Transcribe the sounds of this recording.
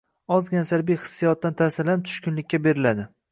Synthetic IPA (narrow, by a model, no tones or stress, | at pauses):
ɒzɡʲansaɾbijχɨ̥sːijɒt̪̚ːant̪ʰasɪɾlan̚t̪ʰʊ̥ʃkʲʊnlɪkʲːabe̞ɾɪlad̪ɪ